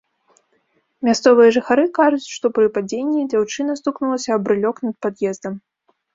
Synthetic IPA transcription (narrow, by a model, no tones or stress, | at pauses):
mʲast̪sɔvɨjɐʐɨxaɾɨkaʐut͡sʲʂt̪ɔpɾɨpad͡zʲenʲːid͡zʲawt͡ʂɨnɐst̪uknulˠɐsʲɐːbɾɨlʲɔknɐt̪̚pad̪jɛzd̪ɐm